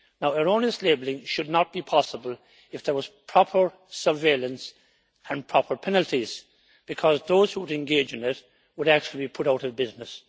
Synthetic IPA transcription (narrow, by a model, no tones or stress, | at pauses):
naʊəɹõnɪstˡleːblˠɪ̃ŋʃʊdⁿnət̚b̥ipʰɑsəbəlˠ | ɨfðə˞wʌz̥pʰɹ̥ɑpʰə˞ | sə˞veɪlˠə̃ns | ə̃npʰɹ̥ɑpʰə˞pʰɛnəl̩ˠtiz̥ | b̥ɨkʰʌzðoʊz̥huwəɾɨ̃nɡeɪd͡ʒɨ̃nɪt | wəɾæk̚t͡ʃul̩ˠibipʰʊɾaʊɾʌvbɪznɨs